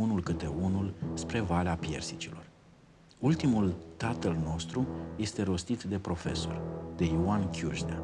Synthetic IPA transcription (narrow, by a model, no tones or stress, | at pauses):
unulkɨt̪e̞unulspɾe̞valeapje̞̰rsit͡ʃilo̞r | ult̪imult̪at̪əlno̞st̪ɾuje̞st̪e̞ɾo̞st̪it̪d̪e̞pɾo̞fe̞̰so̞̰rd̪e̞joankʲjuʒnea̰